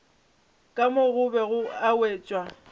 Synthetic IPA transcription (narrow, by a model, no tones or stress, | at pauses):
kʼamʊɣʊbɛɣʊaweːt͡ʃʼwa